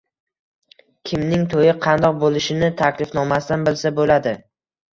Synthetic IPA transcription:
kʲʰɪmnɪŋt̪ʰojɪqʰɑnd̪ɒq̚bolɪʃɪnɪt̪ʰakʲlɪfnɒmast̪anbɪlsabolad̪ɪ

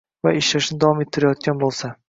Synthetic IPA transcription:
vaeʃlaʃnɪd̪avɒmet̪ʰːɪɾajɒt̪̚kʲanbolˠsa

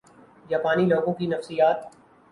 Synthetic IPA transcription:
jaːpaːniloːɡõkinɐfsijaːt̪̚

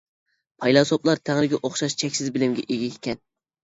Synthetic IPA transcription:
pʰɑjlˠɑsoplˠɑɾt̪ʰæŋɾɪɡʲɛʔoχʃɑʃt͡ʃʰɛkʲsɪzbɪlɪmɡʲɛ̰ʔeɡʲɛekʲɛn

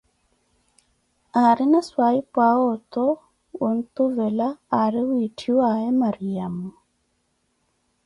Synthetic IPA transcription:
aɾɪnaswaipaɔt̪ɔ | wont̪uvɛlaːɾɪwitʰiwaɛmaɾijamɔ

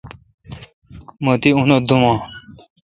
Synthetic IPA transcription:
mət̪iũnod̪umãː

